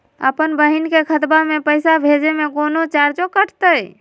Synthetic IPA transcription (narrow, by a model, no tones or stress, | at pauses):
ə̰pənbəɦinkekʰət̪bamẽpəjsabʱed͡ʒemẽkoːnot͡ʃaɾt͡ʃokəʈʰt̪ə